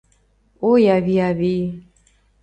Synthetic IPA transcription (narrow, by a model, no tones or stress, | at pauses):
ojaβiaβi